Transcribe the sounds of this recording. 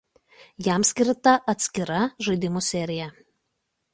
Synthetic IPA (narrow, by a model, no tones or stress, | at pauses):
jɛˑmsʲkʲɪɾt̪ɐʔɐt̪ʲsʲkʲɪɾɐʒɐɪd̪ʲɪmusʲɛɾʲɪjɛ